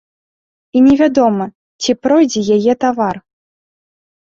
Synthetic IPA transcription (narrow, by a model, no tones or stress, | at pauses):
inʲɛvʲad̪ɔmɐ | t͡sʲipɾɔjd͡zʲɛjajɛt̪avar